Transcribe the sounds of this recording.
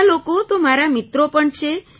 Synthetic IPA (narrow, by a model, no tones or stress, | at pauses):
lokot̪omaɾamit̪ɾopəɳt͡ʃʰe